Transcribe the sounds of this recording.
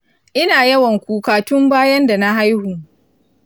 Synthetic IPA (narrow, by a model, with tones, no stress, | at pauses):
ʔɪ˦naː˨jɐ˦wɐ˨ŋkʷuː˨kaː˨tʊ˦mbaː˦jɐ˦nda˨na˦ɦa˦jhuː˨